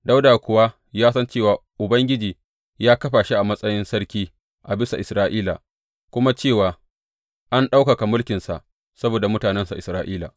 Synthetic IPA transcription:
da˦wdaː˨kʷʊ˨wa˦ | jaː˦sɐ˦nt͡ʃeː˦˨waː˨ʔʊ˨bɐ˦ŋɡʲɪ˦d͡ʒiː˨ | jaː˦kɐ˦ɸaː˨ʃi˦ʔa˨mɐ˦sʼɐ˦jɪ˦nsɐ˦ɽkʲiː˦ | ʔa˨bɪ˦sa˨ʔɪ˨sɾaː˦ʔiː˦la̰˨ | kʷʊ˦ma˦t͡ʃeː˦˨waː˨ | ʔa˦nɗa˦wka˨ka˨mʊ˦lkʲɪ˨nsa̰˨ʔ | sɐ˦boː˨da˨mʊ˦taː˨nɛ˦nsa̰˨ʔɪ˨sɾaː˦ʔiː˦la̰˨

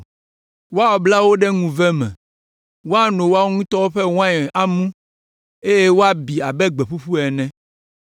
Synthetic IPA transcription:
wo˦a˦wɔ˨bla˦wo˦ɖɛ˦ŋũ˨vɛ˦mɛ̰̃˨ | wo˦a˦nõ˨wo˦a˦wo˦ŋũ˦t̪ɔ˦wo˦ɸɛ˦wã˦ɛ˨ʔa˦mũ˦ | e˦jɛ˦wo˦a˦bi˨a˨bɛ˦ɡ͡be˨ɸu˦ɸu˦ɛ˨nɛ̃˦

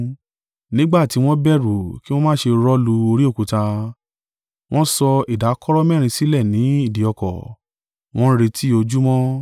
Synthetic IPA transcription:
nĩ˦ɡ͡ba˦˨ti˨˦w̃ɔ̃˦bɛ˦˨ɾu˨ki˦w̃ɔ̃˦mãː˦˨ʃe˧ɾɔ˦lu˧o˧ɾi˦o˦˨ku˨ta˧ | w̃ɔ̃˦sɔ˧i˨da˨˦kɔ˦ɾɔ˦mɛ̃˦ɾ̃ĩ˧si˦lɛ˦˨nĩ˨˦i˦˨di˨˦ɔ˧kɔ̰˨ | w̃ɔ̃˦ɾe˧tʰi˦o˧d͡ʒu˦mɔ̃˦

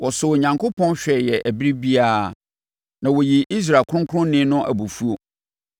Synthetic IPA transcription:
wɔ˨sʊ˨ɲã˨ŋkʰo˦pʰɔ̃˦nɕᶣɛ˨jɛ˨ʔæ˨bi˦ɾi˦bi˦a˦ | nã˨wo˨ji˨ʔi˦s̬ɾa˨kʰʊ̃˦ʊ̃˦ŋkʰʊ˦ʊ̃˦nɪ̃˦nʊ̃˦ʔæ̰˨bu˨fu˦o˨

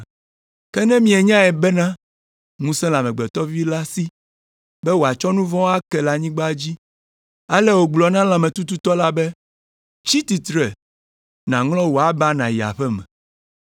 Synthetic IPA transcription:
kɛ˦nɛ̃˦mĩ˦ɛ˨ɲã˦ɛ˨bɛ˦nã˦ | ŋũ˦sɛ̃˦la˨mɛ̃˨ɡ͡bɛ˨t̪ɔ˦vi˦la˦si˦ | bɛ˦wo˨a˨t͡ʃɔ˦nũ˦vɔ̃˦a˦kɛ˨la˨ɲĩ˦ɡ͡ba˦d͡ʑi˦ | a˦lɛ˦wo˨ɡ͡blɔ˨nã˦lã˨mɛ̃˨t̪u˦t̪u˦t̪ɔ˦la˦bɛ˦ | t͡ʃi˦t̪i˨t̪ɾɛ˨ | nã˨ŋlɔ̃˦wo˨a˦ba˦nã˨ji˨a̰˨ɸɛ˦mɛ̰̃˨

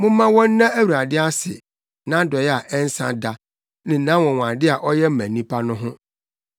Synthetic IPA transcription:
mʊ̃˦mã˦wɔ̃˦n˦nã˦æ˦wu˨ɾa˨dɪ˦a˦sɪ˨ | nã˦dɔ˨jɛ˦a˨ʔɛ˦n̩˦sã̰˦da˨ | nɪ̃˨nã˦wɔ̃˨wã˨dɪ˦a˨ʔɔ˦jɛ˦m̩˦mæ̃˨nĩ˦pʰa˦nʊ̃˦ɦʊ̃˦

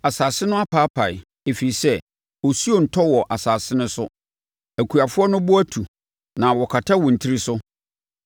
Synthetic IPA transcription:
a˨saː˨sɪ˦nʊ̃˦a˦pʰaː˦pʰa˨ɪ̰˨ | e˨fi˨i˨sɛ˦ | wɔ˨su˦o˨n̩˨tʰɔ˦wɔ˨ʔa˨saː˨sɪ˦nʊ̃˦sʊ˦ | æ˨kʰu˨a˨fʊ˦ɔ˦nʊ̃˦bʊ˦æ˦tʰu˨ | nã˨wɔ˨kʰa˨tʰa˦wɔ̃˨n̩˨tʰi˦ɾi˦sʊ˦

